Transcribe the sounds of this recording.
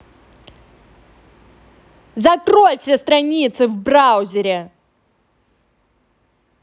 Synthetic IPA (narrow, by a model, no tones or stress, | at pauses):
zɐkɾojfsʲest̪ɾɐnʲit̪sɨvbrawzʲɪɾʲɪ